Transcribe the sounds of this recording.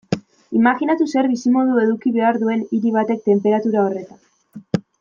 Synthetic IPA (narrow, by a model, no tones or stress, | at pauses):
imaxinat̪use̞ɾβisimo̞ðue̞ðukiβe̞aɾðue̞niɾiβ̞at̪e̞k̚t̪e̞mpe̞ɾat̪uɾao̞re̞t̪an